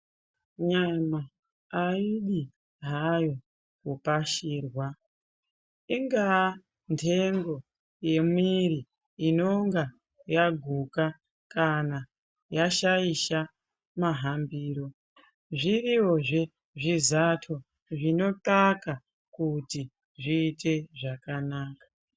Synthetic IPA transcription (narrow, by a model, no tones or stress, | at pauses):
ɲamaː | iɗi | ɦajo̞ | kupaʃiːrwa | iŋɡa | ntʰe̞ŋɡo̞ | je̞mwiriː | no̞ŋɡa | jaɡʱuka | kana | jaʃaiʃa | maɦambiːɾo̞ | ʐiriwoʐe | ʐizatʰo̞ | ʐino̞taka | kuti | ʐiːte̞ʐakanaːkḁ